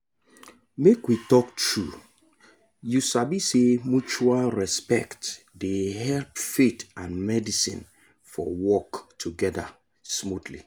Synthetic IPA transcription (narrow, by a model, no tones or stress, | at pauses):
mekwitɔktʰɹu | jusabisemut͡ʃualɹɛspɛ̰kt | deɦɛlpfetãnmɛdisḭ̃n | fɔ̰wɔktʰuɡɛda̰ | smutlḭ